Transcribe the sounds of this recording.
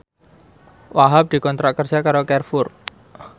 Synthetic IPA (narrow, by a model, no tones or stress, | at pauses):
waɦap̚d̪̥i̤kɔnt̪ɾaʔkərd͡ʒakaɾokɛrfʊr